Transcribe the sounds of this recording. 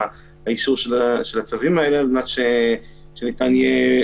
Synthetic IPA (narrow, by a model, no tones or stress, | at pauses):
haiʃuʁʃelaʃelat̪avimaelebnat̪ʃe | ʃenit̪anje